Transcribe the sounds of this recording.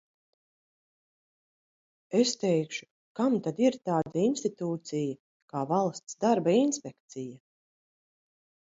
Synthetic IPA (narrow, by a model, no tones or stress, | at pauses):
est̪ɛjkʃu̥ | kamt̪ad̪iɾt̪aːd̪ainst̪it̪uːt̪sija | kaːvalˠst̪sd̪aɾbainspʲekt̪sija